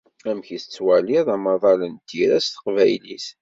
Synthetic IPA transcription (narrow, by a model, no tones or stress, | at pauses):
æmçisət͡sːwæliðˤɑmɑðˤɑlənt̪iɾæst̪ə̥qvæjlis